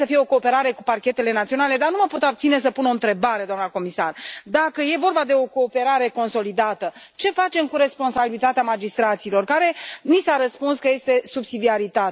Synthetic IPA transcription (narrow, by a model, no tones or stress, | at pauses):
səfije̞o̞ko̞ːpe̞ɾaɾe̞kuparkʲe̞t̪e̞le̞nat̪sio̞nale̞d̪anuməpot̪abt̪sine̞səpuno̞nt̪ɾe̞baɾe̞d̪oamnəko̞misa̰rd̪akəje̞vo̞rbad̪e̞o̞ko̞ːpe̞ɾaɾe̞ko̞nso̞lid̪at̪ə | t͡ʃe̞fat͡ʃe̞mkuɾe̞spo̞nsabilit̪at̪eamad͡ʒist̪ɾat̪siːlo̞rkaɾe̞nisaɾəspunskəje̞st̪e̞subsid̪iaɾit̪a